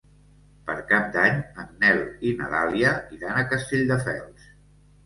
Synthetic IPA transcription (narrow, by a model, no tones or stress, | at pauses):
pə̰ɾkap̚d̪aɲənnɛlinə̰ða̰liəiðanəkəst̪eʎʲd̪əfɛ̰lˠs